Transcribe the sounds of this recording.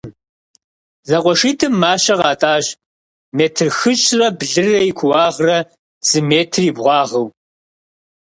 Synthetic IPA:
zɐqʷʼɔʂiːtʰɨmːaːɕɐʁɑːtʼaːʑ | meːtʰɨrxɨɕʼrɐbɮɨrɐikʷʰʊwɑːʁrɐ | z̥ɨmeːtʰriːbʁʷɑːʁɐw

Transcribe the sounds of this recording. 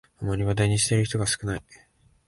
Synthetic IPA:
omaɾʲiβad̪aɲ̟iɕi̥t̪e̞ɾɯ̟çi̥t̪o̞ɡasɨ̥kɯ̟nai

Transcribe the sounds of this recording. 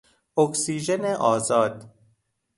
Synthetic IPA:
oksiːʒeneʔɒːzɒːd̪̥

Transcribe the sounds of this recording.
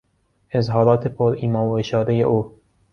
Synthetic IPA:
ezɦɒːɾɒːt̪ʰepʰoɾiːmɒːoeʃɒːɾejḛʔoː

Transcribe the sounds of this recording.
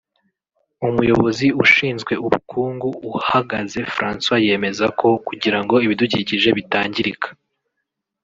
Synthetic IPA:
umujo̞βo̞ziuʃiːnzɡwe̞uβṵkʰuːŋɡuuhaɡaze̞fɾaːnswaje̞ːme̞zakʰo̞kuɟiɾaŋɡo̞iβiduɟiciʒe̞βitaːɲɟiɾikʰḁ

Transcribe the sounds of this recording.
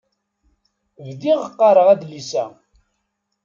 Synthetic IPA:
vd̪iʁəqːɑɾˤəʁæðlisæ̰

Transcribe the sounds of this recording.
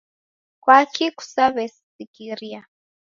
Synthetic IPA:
kwakiku̥saβɛs | ikiɾia

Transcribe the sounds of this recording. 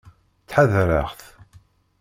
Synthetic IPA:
t͡sːħaðɾə̰ʁθ

